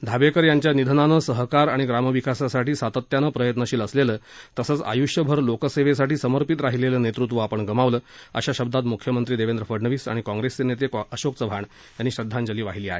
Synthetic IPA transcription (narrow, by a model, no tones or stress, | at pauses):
d̪ʱabekəɾjaɲt͡ɕjanid̪ʱənanəːsəɦkaɾaɽ̃iɡɾaməʋikasasaʈiːsat̪ət̪janəːpɾəjət̪nəɕiːləslelət̪əsəːt͡sa̰juʂjəbʱəɾlokəseʋesaʈiːsəməɾpit̪ɾaɦileləːnet̪ɾut̪̬ʋəapəɳɡəmaʋləːə̰ɕaɕəb̚d̪at̪mukʰjəmənt̪ɾiːd̪eʋend̪ɾəfəɽɳəʋiːsa̰ɽ̃ikɔ̃ŋɡɾest͡senet̪ekəɕokt͡səbʱaɳ | janːiːɕɾəd̪ʱːãɲd͡ʑəliːʋaɦiliːa̰ɦḛ